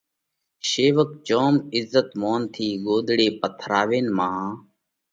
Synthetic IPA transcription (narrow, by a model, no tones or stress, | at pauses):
ʃeːʋək̚t͡ʃoːmɪzːət̪moːnt̪ʰiːɡoːd̪ɽeːpət̪ʰɾaːʋeːnmaːɦãː